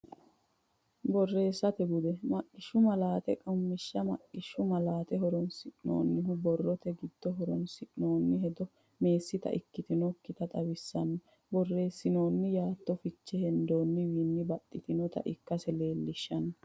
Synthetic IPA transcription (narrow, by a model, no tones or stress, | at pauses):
bɔrːe̞ːsːɐt̪ɛɡʊd̪ɛmɐkʼːɪʃːʊmɐlaːt̪ɛkʼɐmːɪʃːɐmɐkʼːɪʃːʊmɐlaːt̪ɛhɔɾɔnsɪʔno̰ːnːɪɦʊbɔrːɔt̪ɛɡɪd̪̥ːɔɦɔɾɔnsɪʔno̞ːnːɪɦɛd̪ɔ | me̞ːsːɪt̪ɐ̰ʔɪkːɪt̪ɪnɔkːɪt̪ɐt̪ʼɐwɪsːɐnːɔ | bɔrːe̞ːsːɪno̞ːnːɪjaːt̪ːɔfɪt͡ʃːɛhɛnd̪oːnːɪwiːnːɪbɐt̪ʼːɪt̪ɪnɔt̪ɐ̰ʔɪkːɐsɛle̞ːlːɪʃːɐnɐ